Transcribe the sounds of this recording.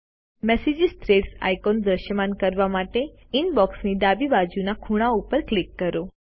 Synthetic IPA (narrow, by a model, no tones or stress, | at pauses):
mɛsid͡ʒist̪ɾeɖsa̰jkond̪ɾəʃjəmankəɾʋamaʈe | inbɔksnid̪abibad͡ʒunakʰuɽ̃aupəɾklikːəɾo